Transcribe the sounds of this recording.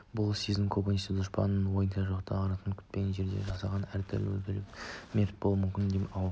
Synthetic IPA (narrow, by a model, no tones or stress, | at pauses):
bʊlˠsizəmkʰobonist̪ɪd̪ʊʃpɑ̰nːənwo̞jənʃɑʒoqt̪ʰɑɑɾɑt̪ənkʲʰʏ̥t̪̚peɡʲenʒe̞ɾd̪e̞̰ʒɑsɑʁɑnæɾt̪ʰɪ̰ɾlɪ̰wɵ̰lkʲɪlɪpmeɾt̪̚bo̞lˠumʏmkʲɪnd̪epɑ